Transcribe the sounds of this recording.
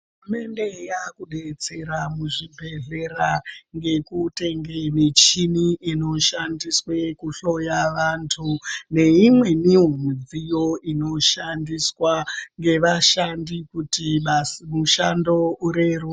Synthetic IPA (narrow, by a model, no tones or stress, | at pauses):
uume̞nde̞jakuɗe̞t͡se̞ɾamuʐibʱe̞ɮe̞ɾaŋɡe̞kute̞ŋɡe̞ʋet͡ʃiniino̞ʃandiswe̞kuɬo̞jaʋantʰune̞imwe̞niɦomid͡zijo̞ino̞ʃandiswaŋɡe̞ʋaʃandikutimuʃando̞uɾe̞ru